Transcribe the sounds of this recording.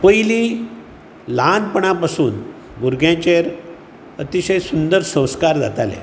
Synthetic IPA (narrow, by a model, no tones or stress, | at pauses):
pəjlĩ | lanpəɳ̃apasuːn | ɡuɾɡjãt͡ɕeɾ | ət̪iɕəjsund̪əɾsə̃w̃skaɾd͡za̰t̪alḛ